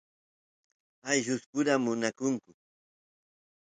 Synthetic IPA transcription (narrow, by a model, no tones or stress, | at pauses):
ajʒʊskʊɾamʊnakʊŋkʊ